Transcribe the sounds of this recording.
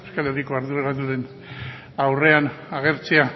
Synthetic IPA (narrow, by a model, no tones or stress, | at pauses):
eskaleɾikoaɾðuɾeɣat̪̬uðe̞n | awre̞anaɣ̞e̞ɾt͡sia